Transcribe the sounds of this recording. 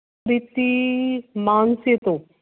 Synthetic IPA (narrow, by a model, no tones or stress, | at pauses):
ɾit̪i | mansit̪o